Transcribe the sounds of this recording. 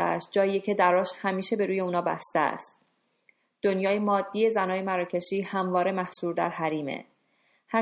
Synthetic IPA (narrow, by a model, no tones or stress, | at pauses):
ææ̰ʃt̪̚d͡ʒɒːiːecʰe̞d̪æɾɒːʃhæmiːʃe̞be̞ɾuːje̞uːnɒːbæ̰st̪eæ̰st̪ | d̪̥onjɒːjemɒːd̪ːiːje̞zænɒːjemæɾɒːcʰe̞ʃiːhæmvɒːɾe̞mæhsuːɾd̪æ̰ɾhæɾiːmḛ | hæ